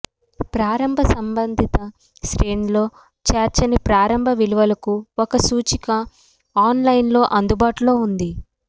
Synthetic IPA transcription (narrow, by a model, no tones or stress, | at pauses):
pɾaːɾɐmbʱɐsɐmbɐnd̪ʱit̪ɐ | ʃɾeːnlo̞ː | t͡ʃaːɾt͡ʃɐnipɾaːɾɐmbʱɐʋiluʋɐlɐkuɔkɐsuːt͡ʃikɐ | aːnlɐjnlo̞ːʔɐnd̪ubaːʈulo̞ːund̪i